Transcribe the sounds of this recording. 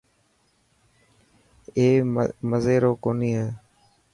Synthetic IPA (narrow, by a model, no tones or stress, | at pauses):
eːməzeːɾoːkoːniːɦeː